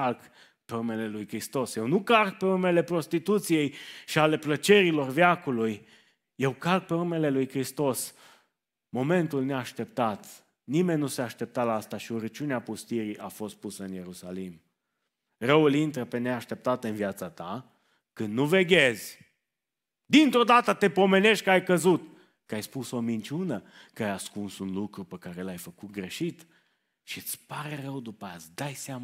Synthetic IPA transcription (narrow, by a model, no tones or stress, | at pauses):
alk | peume̞le̞lujkɾist̪o̞sje̞wnukalk̚pe̞umele̞pɾo̞st̪it̪ut̪sije̞jʃiale̞plət͡ʃe̞ɾilo̞rvjakuluj | je̞wkalk̚pe̞ume̞le̞lujkɾist̪o̞s | mo̞me̞nt̪ulneaʃt̪e̞p̚t̪at̪ | nime̞nʲːnuseaʃt̪e̞p̚t̪alaast̪aʃiuɾət͡ʃuneapust̪iɾiʔafo̞st̪̚pusəɨnje̞ɾusalim | rəwulint̪ɾəpe̞neaʃt̪e̞p̚t̪at̪ɨnviat̪sat̪a | kɨnd̪nuveɡʲezʲ | d̪int̪ɾo̞d̪at̪ət̪e̞po̞me̞ne̞ʃt̪̚ʲkəajkəzut̪ | kəajspuso̞mint͡ʃunə | kəajaskunsunlukɾupekaɾe̞lajfəkut̪̚ɡɾe̞ʃit̪ | ʃiɨt̪sʲpaɾe̞rəwd̪upəasd̪ajseam